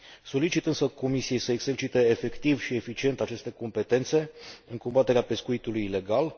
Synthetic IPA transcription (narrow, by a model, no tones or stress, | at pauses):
so̞lit͡ʃit̪ɨnsəko̞misije̞jsəeɡz̥e̞rt͡ʃit̪e̞ːfe̞kt̪ivʃie̞fit͡ʃie̞nt̪at͡ʃe̞st̪e̞ko̞mpe̞t̪e̞nt̪se̞ɨŋko̞mbat̪e̞ɾeape̞skuit̪ulujile̞ɡal